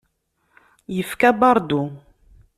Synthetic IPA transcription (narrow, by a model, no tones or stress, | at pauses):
jəfkabɑɾˤd̪u